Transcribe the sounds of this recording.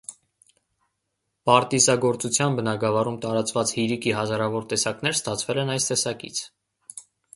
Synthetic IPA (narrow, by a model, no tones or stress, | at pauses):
pɑɾt̪izɑɡɔɾt͡sut͡sʰjɑnbənɑɡɑvɑɾumt̪ɑɾɑt͡svɑt͡shiɾikiɦɑzɑɾɑvɔɾt̪ɛsɑkn̪ɛɾst̪ɑt͡sʰvɛlɛnɑjst̪ɛsɑkḭt͡sʰ